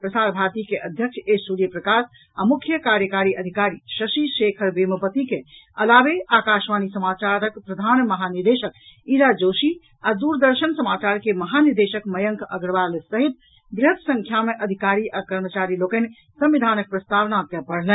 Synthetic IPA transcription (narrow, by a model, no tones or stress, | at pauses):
pɾəsaɾbʱaɾt̪ikeʔəd̪ʱjəkʃʰesuɾijəpɾəkas | amukʰjəkaɾjəkaɾiʔəd̪ʱikaɾiʃəʃiʃekʰəɾbeməpət̪ikeəlabeakaʃmanisəmat͡ʃaɾəkpɾəd̪ʱanməɦaniɾd̪eʃək̚iɾad͡ʒosi | ad̪uɾd̪əɾsənsəmat͡ʃaɾkeməɦaniɾd̪eʃəkməjəŋkʰə̰ɡɾʋalesəɦit̪̚ | bɾeɦt̪sə̃ŋkʰjameʔəd̪ʱikaɾiʔakəɾmət͡ʃaɾilokən | sə̃mʋid̪ʱanək̚pɾəst̪aʋnak̪ɛpəɽ̤lɛ